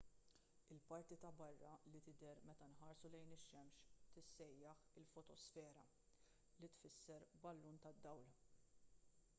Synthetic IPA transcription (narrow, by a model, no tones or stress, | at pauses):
ɪlpɐɾt̪it̪ɐbɐrːɐlit̪ɪd̪ɛɾmɛt̪ɐnħɐːɾsulɛjnɪʃːɛmʃt̪ɪsːɛjːɐħɪlfɔt̪ɔsfɛːɾɐ | lit̪fɪsːɛɾbɐlːuːnt̪ɐd̪ːɐwl